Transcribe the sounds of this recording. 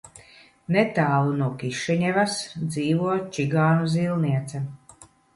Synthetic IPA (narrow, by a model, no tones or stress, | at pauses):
nɛt̪aːlˠunuɔkiʃɛɲɛvasd̪ziːvuɔt͡ʃiɡaːnuzilˠniɛt̪sɛ